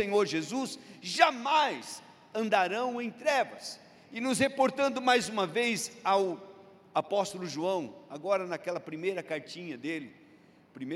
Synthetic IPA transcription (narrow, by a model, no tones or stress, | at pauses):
ẽɲoɾʒezusʒamajs | ɐ̃nd̪aɾɐ̃w̃ẽj̃t̪ɾɛvɐs | ɪnʊshepoɾt̪ɐ̃nd̪ʊmajzũmɐvejzaw | apɔst̪ʊlʊʒuɐ̃w̃aɡɔɾɐnɐkɛlɐpɾimejɾɐkaɾt͡ʃĩɲɐd̪elɪ | pɾime